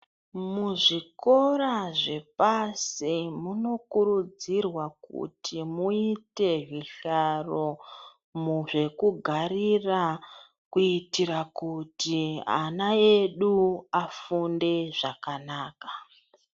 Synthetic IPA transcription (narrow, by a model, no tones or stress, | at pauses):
muʐiko̞ɾaʐe̞pasimuno̞kuɾud͡zirwakṵtʰimuite̞ɦiɬaro̞ | muʐe̞kuɡʱarira | kuitirakutia̰nae̞ɗuafunde̞ʐakanaːkḁ